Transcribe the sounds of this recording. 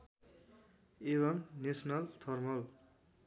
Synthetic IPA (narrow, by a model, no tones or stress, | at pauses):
eβʌŋnesʌnalt̪ʰʌrmʌl